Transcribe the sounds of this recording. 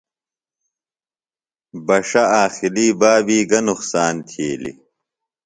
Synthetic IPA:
bɐʂɐaːxiliːbaːbiːɡɐnuxsaːnt̪ʰeːlḭ

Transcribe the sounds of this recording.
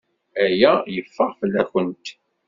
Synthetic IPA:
æjæjəfːəʁfəlːæçənt̪

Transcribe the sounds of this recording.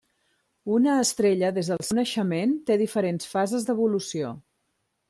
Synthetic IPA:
unəːst̪ɾeʎəðezðəlˠsunəʃəment̪eðifəɾensfazəzðəβulusio

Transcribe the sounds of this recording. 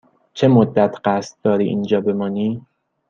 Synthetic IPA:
t͡ʃʰe̞mod̪ːæt̪ʰɢæst̪̚d̪̥ɒːɾiːʔḭːnd͡ʒɒːbe̞mɒːniː

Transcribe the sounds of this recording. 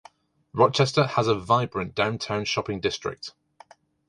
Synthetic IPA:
ɹɒt͡ʃɛstəəzəvaɪbɹə̃nd̥ãʊ̃ntʰãʊ̃nʃɒpɪ̃ŋdɪstɹ̥ɪ̰k̚t

